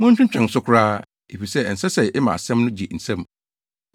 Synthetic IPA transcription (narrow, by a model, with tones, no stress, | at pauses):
mʊ̃˦ɲ˦t͡ɕᶣʊ̃˦t͡ɕᶣɛ̃˨n˨sʊ˦kʰʊ˦ɾaː˦ | e˨fi˨sɛ˦˨n̩˨sɛ˦sɛ˨ɪ˦mã̰˨a˨sɛ̃˦mnʊ̃˦d͡ʑi˨n̩˨sã˦m